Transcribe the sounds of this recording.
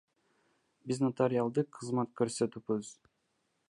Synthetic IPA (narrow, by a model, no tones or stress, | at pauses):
biznɑt̪aɾʲɪalˠd̪ɯqʰːɯzmɑt̪̚køɾsøt̪ybɯz